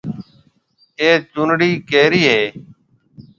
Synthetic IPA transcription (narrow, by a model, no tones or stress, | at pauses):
eːt͡ʃʊnɽiːkeːɾiːɦeː